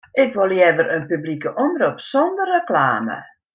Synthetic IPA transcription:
ʔɪkʋolˠjɛʋəɾənpyblikəʔɔmrupsɔndərəkla̰ːmə̰

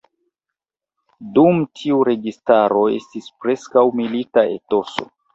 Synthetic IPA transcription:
dumtʰiuɾe̞ɡistaɾo̞e̞̰stispɾe̞skawmilitae̞̰to̞so̞̰

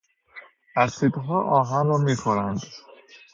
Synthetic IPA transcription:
æɾsiːd̪ɦɒːʔɒːɦænɾɒːmiːkʰoɾænd̪̥

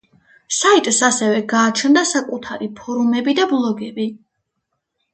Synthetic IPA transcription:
sait̪ʼsasɛvɛɡaːt͡ʃʰnd̪asakʼut̪ʰaɾipʰɔɾumɛbid̪ablˠɔɡɛbi

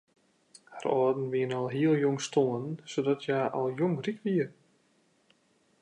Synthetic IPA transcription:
harɔːdn̩ʋiənɔlˠɦiəlˠjoŋstoənsodɔtʰjaːʔɔlˠjoŋrikʋiə

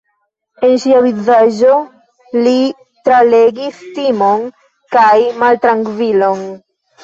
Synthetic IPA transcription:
enʃiavizaʒo | li | t̪ɾaleɡist̪imoŋ | kajmalt̪ɾaŋkviloŋ

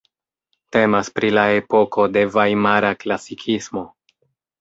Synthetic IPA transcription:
te̞maspɾilae̞po̞ko̞de̞vajmaɾaklasikʰismo̞

